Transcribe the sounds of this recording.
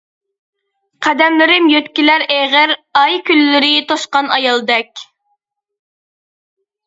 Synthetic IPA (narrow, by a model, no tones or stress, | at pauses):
qʰæd̪ɛmlɪɾɪmjøt̪kʲilæɾeʁɪɾɑjkʲylːɪɾɪt̪ʰoʃqɑnɑjɑlˠd̪ɛk̚ʲ